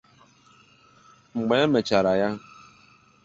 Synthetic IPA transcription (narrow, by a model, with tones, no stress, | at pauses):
ŋ͡m̩˨ɡ͡be˨˦e˦me˨t͡ʃa˨ɾa˨ja˦